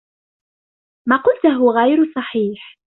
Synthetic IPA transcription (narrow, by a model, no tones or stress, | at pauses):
maːqʊlt̪ʊɦʊɣajɾsˤɑħiːħ